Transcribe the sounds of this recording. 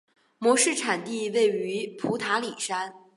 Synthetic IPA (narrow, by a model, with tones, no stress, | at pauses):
mwɔ˧˥ʂɻ̩˥˩ʈ͡ʂʰa˨˩nt̪i˥˧we˥˩ɪy˧˥pʰu˧˥t̪ʰa˧˥li˨˩ʂa˥n